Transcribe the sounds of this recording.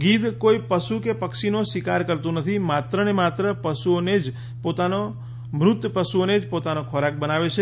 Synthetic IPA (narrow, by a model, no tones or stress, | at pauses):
ɡid̪koipəʃukepəkʃinosikaɾkəɾt̪ũnət̪ʰimat̪ɾənemat̪ɾəpəsuoned͡ʒ | pot̪ano | mɾʊt̪jəpəsuoned͡ʒpot̪anokʰoɾak̚bənaʋet͡ʃʰe